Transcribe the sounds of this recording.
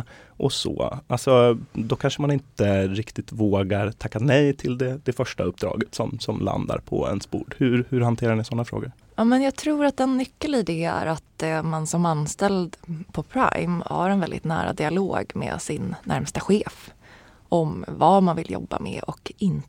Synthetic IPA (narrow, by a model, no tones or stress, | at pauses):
ʔɔso̰ːalsɔd̪ɔkʰanʂəmanɪnt̪əɾɪkt̪ɪt̪voːɡaɾt̪ʰakːanɛjt̪ʰɪld̪ɛd̪̥ɛfœʂʈaɵp̚ːd̪ɾɑ̰ːɡət̪sɔmsɔmla̰nd̪a̰ɾpʰɔ̰ɛ̰nsb̥uːɖhɵɾhɵɾhant̪ʰeːɾaɳɪsɔnːafɾo̰ːɡəɾ | jɑːmɛnjɑːɡt̪ʰɾuːɾat̪̚d̪ɛnːʏkːəlɪd̪ɛːæ̰ɾat̪mansɔmanst̪ɛld̪pʰɔpʰɾajmha̰ɾɛnvɛld̪ɪ̰t̪næːɾa̰d̪ɪaloːɡmɛ̰ːsɪnːæ̰ɾmst̪aɧeːf | ʔɔmvamanvɪljɔ̰bːa̰mɛ̰ɔkɪn